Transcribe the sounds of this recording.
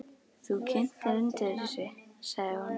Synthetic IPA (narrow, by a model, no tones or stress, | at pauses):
θukʰɪn̥t̪aɾʏnt̪ɛɾɪsɪsaɣðɪhanː